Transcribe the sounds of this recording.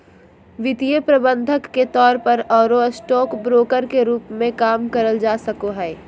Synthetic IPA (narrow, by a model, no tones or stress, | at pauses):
ʋɪt̪ijəpɾɐbə̃nd̪ʱəkːet̪ɔːɾpɐɾɔːɾosʈɔːkbɾoːkəɾkeɾuːpmẽkaːmkɐɾəld͡ʒaːsɐkoɦɛː